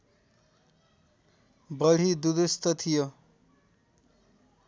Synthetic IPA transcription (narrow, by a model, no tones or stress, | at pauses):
bʌɽ̤id̪ud̪ust̪ʌt̪ʰijo